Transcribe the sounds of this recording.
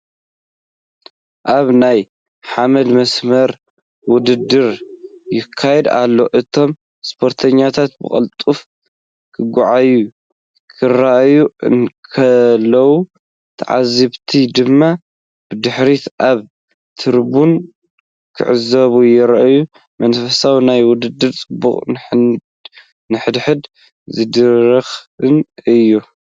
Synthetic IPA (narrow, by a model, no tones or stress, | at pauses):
ʔaβnaj | ħamɐd̪mɐsmɐɾ | wʊd̪ɨd̪ːɨɾjɪkʰːajɛd̪a̰lːo̞ʔɨt̪ʰo̞m | spʰo̞ɾt̪ʰɐɲːat̪ʰat̪bɨ̰kʼɐ̰lt̪ʼuf | kʰɨɡʷʊʕaju | kʰɨɾaʔjuɨ̰nkʰɐlːɐwu | t̪ʰɐ̰ʕa̰zɨβt̪ʰid̪ɨmːa | b̥ɨd̪ɨħɾit̪ʔaβ | t̪ʰɨɾbun | kʰɨ̰ʕɨzɐβujɪɾaʔju | mɐnfɐsawinajwʊd̪ɨd̪ɨt͡sʼɨbuχʼ | nɨħɨd̪ħɨd̪ | zɨd̪ɨɾɐxɨnɨjːu